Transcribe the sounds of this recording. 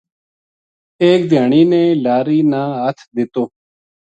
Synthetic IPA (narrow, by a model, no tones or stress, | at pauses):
eːk̚d̪ʱjaːɳ̃iːnẽːlaːɾiːnaːɦət̪ʰd̪ɪt̪oː